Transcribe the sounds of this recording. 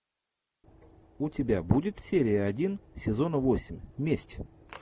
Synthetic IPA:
ʊtʲɪbʲabudʲɪt̪sʲeɾʲɪəɐdʲinsʲɪzo̞nəvo̞sʲɪmʲmʲesʲtʲɪ̥

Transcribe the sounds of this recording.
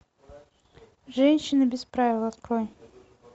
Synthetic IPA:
ʐɛnʲɕɪnɨbʲɪspɾavʲɪlˠɐt̪qɾoj

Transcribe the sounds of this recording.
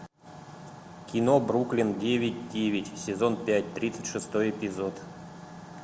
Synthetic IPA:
kʲinobɾuklʲɪndʲevʲɪtʲdʲevʲɪtʲsʲɪzonpʲætʲt̪ɾʲit̪sɨ̥tʲʂɨst̪ojɛpʲizot̪

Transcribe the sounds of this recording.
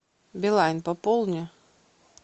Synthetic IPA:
bʲɪlˠajnpɐpɔlˠnʲɛ

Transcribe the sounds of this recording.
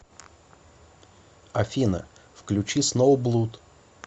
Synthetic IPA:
ɐfʲinə̰fklʲʉt͡ɕisnovblˠut̪

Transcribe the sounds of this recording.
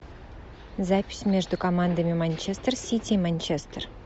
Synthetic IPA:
zapʲɪ̥smʲeʐd̪ukʰomand̪amʲimanʲt͡ʃest̪rsʲit̪ʲʰimanʲt͡ʃest̪r

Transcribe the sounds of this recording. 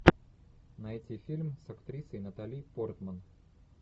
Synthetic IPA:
nɐɛtʲifʲilʲmsɐkt̪ɾʲisəjnɐt̪alʲijport̪mən

